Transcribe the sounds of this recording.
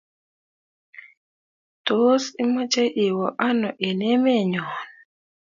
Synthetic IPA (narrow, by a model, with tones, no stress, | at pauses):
to˦si˦ma˦t͡ʃe˦ʔi˨wɔ˨ʔa˦nɔ˨ʔe˨ne˦me˦˨ɲɔ˨n